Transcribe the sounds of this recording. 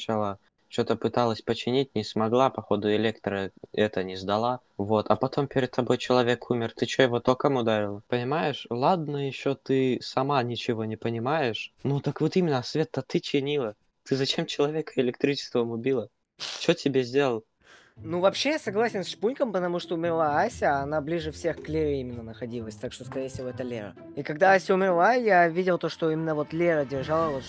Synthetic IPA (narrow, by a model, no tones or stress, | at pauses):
t͡ɕalˠə | t͡ɕot̪əpɨt̪alˠəsʲpət͡ɕɪnʲit̚ʲnʲɪsmɐɡlˠapɐxo̞d̪ʊɪlʲe̞kt̪ɾəɛt̪ənʲɪzd̪ɐlˠa | vo̞t̪ɐpɐt̪ʰo̞mpʲɪɾʲɪd̪̚t̪ːɐbo̞jt͡ɕɪlˠɐvʲe̞kʰumʲɪrt̪ɨt͡ɕojɪvo̞t̪okəmʊd̪aɾʲɪlˠəpənʲɪmajɪʂlˠad̪̚nəjɪɕːo̞t̪ɨsɐmanʲɪt͡ɕɪvo̞nʲɪpənʲɪmajɪʂnut̪əkvot̪imʲɪnːəsvʲet̪ːət̪ɨt͡ɕɪnʲilˠə | t̪ɨzɐt͡ɕemt͡ɕɪlˠɐvʲe̞kəɪlʲɪk̚t̪ɾʲit͡ɕɪ̥st̪vəmʊbʲilˠə | t͡ɕotʲɪbʲezʲdʲelˠəlˠ | nuvɐpɕːejasɐɡlˠasʲɪnsʂpunʲkəmpət̪ɐmuʂt̪oʊmʲɪrlˠaasʲəːnablʲiʐɨfsʲe̞xklʲeɾʲɪimʲɪnːənəxɐdʲilˠəsʲt̪akʂt̪oskɐɾʲejəfʲsʲɪvo̞ɛt̪əlʲeɾə̰ | ikɐɡd̪aasʲəʊmʲɪrlˠajavʲidʲɪlˠt̪o̞ʂt̪o̞imʲɪnːəvo̞t̪lʲeɾədʲɪrʐalˠəvot̪